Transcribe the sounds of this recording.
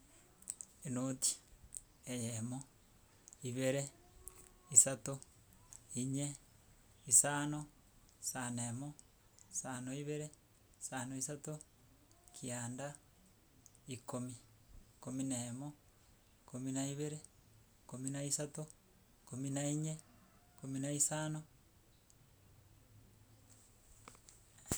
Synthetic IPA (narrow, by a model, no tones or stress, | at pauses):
enoti̥ | ejemo | iβeɾe | isato | iɲe | isano | sanemo | sanoiβeɾe | isanoisato | kʰianda | ikomi | kominemo | kominaiβeɾe | kominaisato | kominaiɲe | kominaisano